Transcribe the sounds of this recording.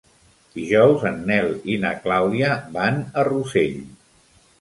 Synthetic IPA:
d̪̥iʒɔwzənːɛlinə̰klawðiəβanəruseʎ

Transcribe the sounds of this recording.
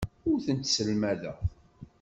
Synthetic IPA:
ʊɾθənt̪səlmæðə̰ʁ

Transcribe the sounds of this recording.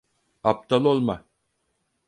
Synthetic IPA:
ap̚t̪ʰalˠolˠma

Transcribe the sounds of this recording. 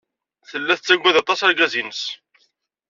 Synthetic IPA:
θəlːæθət͡sːæɡʷːæðɑt̪ˤɑsæɾɡæzinəs

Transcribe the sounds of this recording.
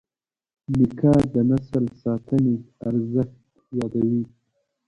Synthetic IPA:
mɪkʰɑd̪ənasəlsɑːt̪ʰəneaɾzəxt̪ | wɑd̪awi

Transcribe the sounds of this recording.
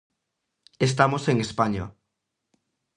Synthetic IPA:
est̪amoseŋespaɲa

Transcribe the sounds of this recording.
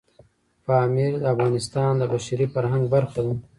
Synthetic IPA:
faːmiɾd̪əafɣɑːnɪst̪ɑːnd̪əbaʃɾifaɾɦaŋɡbaɾxad̪u

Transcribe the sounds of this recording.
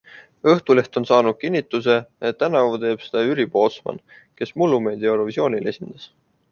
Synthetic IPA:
ɤht̪ule̞ht̪o̞nsɑːnud̪̚kinʲːit̪ːˑus̬e̞et̪ːænɑvt̪e̞ːb̥se̥d̪̥ɑyɾib̥ot̪smɑ̰n | ke̞smulːume̞ːd̪̥iɑeɾo̞visjo̞ːnʲile̞sʲind̪̥ɑs

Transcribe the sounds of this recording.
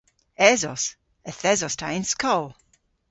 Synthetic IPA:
ɛzɔs | ɛθɛzɔstʰajnskʰɔwlˠ

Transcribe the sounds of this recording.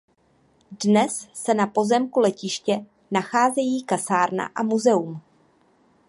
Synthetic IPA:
dnɛsːɛnapo̞zɛmkulɛcɪʃcɛ | naxaːzɛjiːkasaːɾna̰ʔamuzɛum

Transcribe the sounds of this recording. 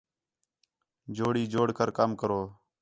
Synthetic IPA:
d͡ʒoːɽiːd͡ʒoːɽkəɾkəmkəɾoː

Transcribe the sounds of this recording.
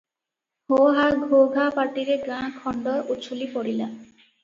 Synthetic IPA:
hoɦaɡʱoɡʱapaʈiɾeɡɾãkʰɔɳɖɔɾut͡ʃʰulipɔɽila

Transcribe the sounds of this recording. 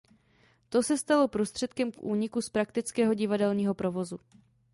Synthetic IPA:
t̪o̞sɛst̪alo̞pɾost̪r̝̥ɛt̪kɛmkʔuːɲɪkuspɾakt̪ɪt͡skɛːɦo̞ɟɪvadɛlɲiːɦo̞pɾo̞vo̞zu

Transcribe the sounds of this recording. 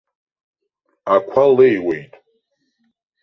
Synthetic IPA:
akʷʰalejwejtʼ

